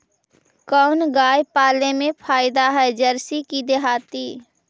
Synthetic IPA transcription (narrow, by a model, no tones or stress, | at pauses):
kəʊnɡaːjpaːlemẽpʰaːɪd̪aɦɛd͡ʒəɾsikid̪eɦaːt̪iː